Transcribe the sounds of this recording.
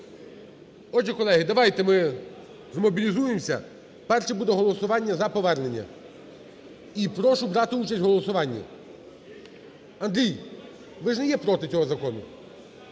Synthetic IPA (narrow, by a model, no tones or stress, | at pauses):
ɔd͡ʒɪkɔlˠɛɦɪd̪ɐʋɑjt̪ɛmɪ | zmɔbʲilʲizujemsʲɐ̰ | pɛrʃɛbud̪ɛɦɔlˠɔsʊʋɑnʲːɐzɐpɔʋɛrne̞nʲːɐ̰ | ipɾɔʃʊbɾɑt̪ɪut͡ʃɐsʲtʲɦɔlˠɔsʊʋɑnʲːɐ̰ | ɐnd̪ʲɾʲij | ʋɪʒnɛjɛpɾɔt̪ɪt͡sʲɔɦɔzɐkɔnʊ